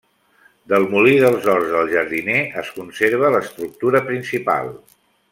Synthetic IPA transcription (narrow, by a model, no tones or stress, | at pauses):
d̪əlˠmuliðəlˠzɔrzðəlˠʒəɾðineəskunseɾβələst̪ɾuk̚t̪uɾəpɾinsipa̰lˠ